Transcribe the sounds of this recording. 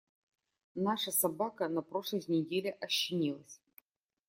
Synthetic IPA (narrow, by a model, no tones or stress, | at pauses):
naʂɐsɐbakənɐpɾo̞ʂlˠəjnʲɪdʲelʲɪʔɐɕːɪnʲilˠəsʲ